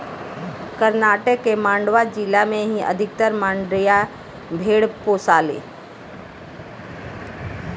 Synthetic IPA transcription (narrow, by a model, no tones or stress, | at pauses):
kəɾnaːʈəkːemãːɳɖʋad͡ʒilamẽɦiʔə̰d̪ʱɪk̚t̪əɾmãːɳɖɾija | bʱeːɽpoːsaːlḛː